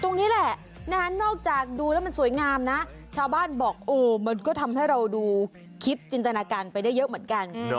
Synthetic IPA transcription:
t̪o˧ŋniː˦˥lɛ˨˩ʔ | na˦˥a˦˥nɔː˥˩k̚t͡ɕaː˨˩k̚duː˧lɛː˦˥wma˧nsu˨˩˦jŋaː˧mna˦˥ | t͡ɕʰaː˧wbaː˥˩nbɔː˨˩k̚ʔoː˨˩ma˧nkɔː˥˩t̪ʰa˧mha˥˩jɾa˧wduː˧ | kʰi˦˥t̪̚t͡ɕi˧nt̪a˧naː˧kaː˧npa˧jda˥˩jːɤ˦˥ʔmɯ˩˦ə˦nka˧n

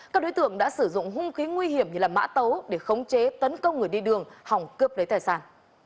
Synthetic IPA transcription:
kaː˦˥k̚ɗo˨˦jt̪ɨ˧˨əŋɗa̰ː˧˥sɨ˧˩zʊ̰˧˨ŋ͡mɦʊ˧ŋ͡mxi˨˦ŋwi˧hi˧˩əmɲɨ˧laː˨˩ma̰ː˧˥t̪ə˨˦wɗe˧˩xə˨˦wŋ͡mt͡ɕe˨˦t̪ə˨˦nkə˧wŋ͡mŋɨ˨˩əjɗi˧ɗɨ˨˩əŋha˨˩wŋ͡mkɨ˦˥əp̚lə˨˦jt̪aː˨˩jsaː˧˩n

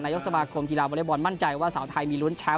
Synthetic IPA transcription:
naː˧jo˥ksa˧maː˧kʰo˧mt̪ʰi˧laː˧˩bɔː˧le˦˥˩bɔː˧nma˥˩nt͡ɕa˧jwaː˥˩saː˩˦wt̪ʰa˧jmiː˧lu˦˥nt͡ɕʰɛ˦˥

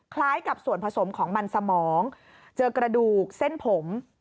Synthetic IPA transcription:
kʰlaː˦˥jka˨˩p̚su˨˩ənpʰa˧so˩˦mkʰɔː˩˦ŋma˧nsa˧mɔː˩˦ŋ | t͡ɕɤː˧kɾa˧duː˨˩k̚se˥˩npʰo˩˦m

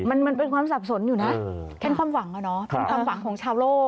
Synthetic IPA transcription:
ma˧nma˧np̬e˧nkʰwaː˧msaː˨˩p̚so˨˩˦njuː˨˩na˦˥ʔkʰɛ˦˥nkʰwaː˧mwa˨˩˦ŋa˨˧˩nɔ˦˥kʰe˧nkwaː˧wa˩˦ŋkʰɔː˩˦ŋt͡ɕʰaː˧wloː˥˩k̚

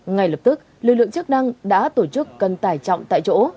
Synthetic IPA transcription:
ŋa˨˩jlə˨˩p̚t̪ɨ˦˥k̚lɨ˨lɨ̰˧˨əŋt͡ɕɨ˦˥k̚na˧ŋɗa̰ː˧˥t̪o˧˩t͡ɕɨ˦˥k̚ːə˨˩nt̪aː˧˩jt͡ɕɔ̰˧˨wŋ͡mt̪a̰ː˧˨jt͡ɕo̰˧˥

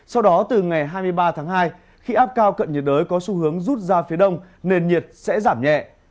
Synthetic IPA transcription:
sa˧wɗɔ˨˦t̪ɨ˨˩ŋa˨˩jɦaː˧jmɨ˧əjɓaː˧t̪ʰaː˨˦ŋɦaː˧j | xi˧ʔaː˦˥p̚kaː˧wkə̰˧˨nɲə˨˩t̚ɗəː˨˦jkɔ˨˦su˧˦hɨ˨˦əŋzu˦˥t̚zaː˧fi˨˦əɗə˧wŋ͡m | ne˧nɲi˨˩ət̚sɛ̰˧˥zaː˧˩mɲɛ̰˧˨ʔ

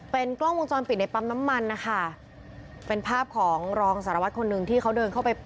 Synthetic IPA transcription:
pe˧nklɔ˥˩ŋwo˧ŋt͡ɕɔː˧npi˨˩t̪̚na˧jpa˧˥mna˦˥mːa˧nːa˦˥kʰa˥˩ | pe˧npʰaː˥˩p̚kʰɔː˩˦ŋɾɔː˧ŋsaː˩˦ɾa˧wa˦˥kʰo˧nːɯ˧ŋt̪ʰiː˥˩kʰa˦˥wdɤː˧nkʰa˥˩pa˧j

